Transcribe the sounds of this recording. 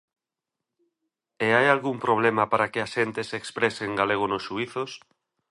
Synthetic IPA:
eajalɣumpɾoβ̞lemapaɾakɪaʃent̪esekspɾeseŋɡaleɣ̞onosʃuiθos

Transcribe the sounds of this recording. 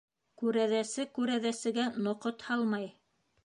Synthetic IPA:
kʉɾæðæsɘkʉɾæðæsɘ̆ɡænŏqot̪hɑlˠmɑj

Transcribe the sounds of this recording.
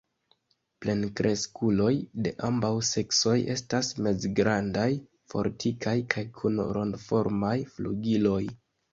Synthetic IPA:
ple̞nkɾʔe̞skulo̞jde̞ʔambawse̞kso̞je̞̰stasme̞zɡɾandaj | fo̞̰ɾtʰikʰajkʰajkʰunɾo̞̰ndfo̞ɾmajfluɡilo̞j

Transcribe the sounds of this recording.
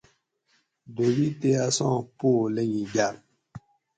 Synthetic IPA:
dowiteasɔ̃ːpoleɲĩɟaɾ

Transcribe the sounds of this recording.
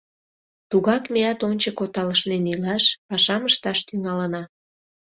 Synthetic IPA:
t̪uɣɑkmeɑt̪onʲt͡ɕəkot̪ɑləʃnenilɑʃpɑʃɑməʃt̪ɑʃt̪yŋɑlənɑ

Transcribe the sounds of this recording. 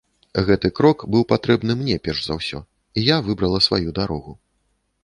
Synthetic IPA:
ɣɛt̪ɨkɾɔkbɨwpat̪ɾɛbn̪ɨmnʲɛpʲɛrʐzawsʲɔ̰ | ijavɨbɾɐlˠɐsva̰jud̪aɾɔɣu

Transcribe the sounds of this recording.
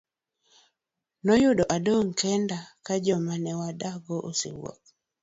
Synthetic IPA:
nɔjʊdɔʔadoŋkɛndakad͡ʒɔmanɛwadaɡoʔo̰sɪ̰wɔ̰k̚

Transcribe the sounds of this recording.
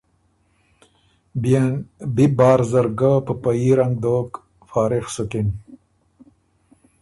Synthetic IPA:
bibɑːɾzaɾɡapəpaiɾaŋɡ̚d̪oːk | fɑːɾixsukin

